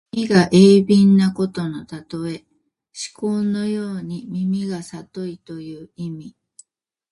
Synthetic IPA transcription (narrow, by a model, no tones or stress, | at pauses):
mʲiɡaʔeːbʲĩnːako̞t̪o̞no̞t̪at̪o̞e̞ | ɕi̥koːnːo̞joːɲ̟imʲimʲiɡasat̪o̞it̪o̞jɯ̟ːimʲi